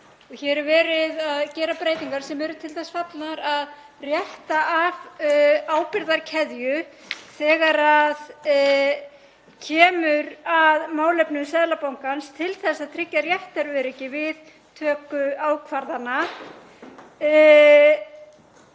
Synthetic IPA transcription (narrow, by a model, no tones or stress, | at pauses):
ɔçɛɾɛɾvɛːɾɪðaðcɛːɾapɾeːjt̪iŋkaɾ̥sɛmvɛːɾʏt̪ʰɪlθasfat̪naɾað | rjɛht̪aʔavaːwpɪɾðaɾcʰɛðjʏ | θɛːɣaɾað | cʰɛːmʏɾaðmaːwlɛpnʏmsɛðlapawŋkanst̪ʰɪlθɛsːaðt̪ʰɾɪcːaɾjɛht̪aɾʏɾɛcːɪvɪð | t̪ʰœːkʏaːwkʰvaɾðana